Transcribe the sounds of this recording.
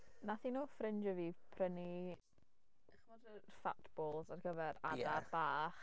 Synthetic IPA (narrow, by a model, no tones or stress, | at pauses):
naθinuːfrɪnd͡ʒəvipʰrəni | χmɔdəfa̰tʰb̥ɔːlˠzarɡəvɛɾa̰darb̥aːχ